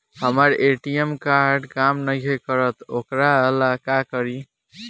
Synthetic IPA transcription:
həməɾeʈiemkaɾɖkamnəjɦekəɾət̪okɾaəlakakəɾi

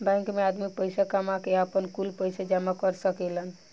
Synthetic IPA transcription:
bɛ̃ŋkmead̪mik̚pəjsakəmakeəpənkulpəjsad͡ʒamakəɾsəkelən

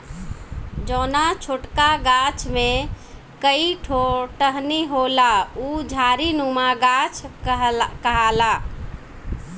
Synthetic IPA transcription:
d͡ʒɔːnat͡ʃʰoʈkaɡat͡ʃʰme | kəiʈʰoʈəɦniɦolaud͡ʒʱaɾinumaɡat͡ʃʰ | kəɦala

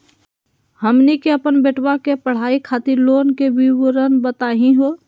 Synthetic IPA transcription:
həmnikeəpənbeːʈwakepəɽ̤aːikʰaːt̪ɪɾloːnkebiwəɾənbət̪aːɦĩɦoː

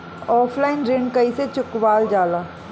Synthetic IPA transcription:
ɔːpʰlaːɪnɾɪɳkəiːseːt͡ʃʊkʋaːld͡ʒaːlaː

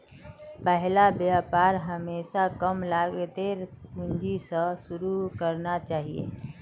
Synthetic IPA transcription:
pɛɦlabjapaːɾɦəmeːsakəmlaːɡt̪eɾspund͡ʒisəsʊɾukəɾnat͡ʃaːɦiḛː

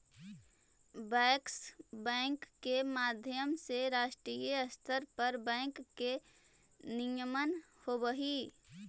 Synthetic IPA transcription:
bɛːksbɛ̃ːŋkːemaːd̪ʱjəmseɾaːʃʈɾiːjəəst̪ʰəɾpəɾbɛ̃ːŋkːe | nijəmən | hoːbəɦi

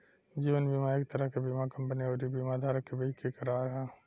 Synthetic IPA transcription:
d͡ʒiːʋənbʱimaːɾɪk̚t̪əɾəɦkebimakɐ̃mpənioːɾibʱimad̪ʱaːɾəkːebiːt͡ʃkikəɾaːɾɦɛ̃ː

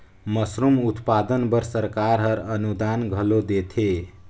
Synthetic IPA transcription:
mʌsɾumut̪pad̪ənbʌɾsəɾkaɾɦʌɾʌnud̪anɡʱʌlod̪et̪ʰe

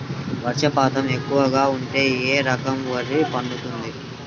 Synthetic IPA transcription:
ʋɐɾʂɐpaːt̪ɐme̞kːuʋɐɡaːuɳʈe̞ːeːɾɐkɐmʋɐɾipɐɳɖut̪und̪i

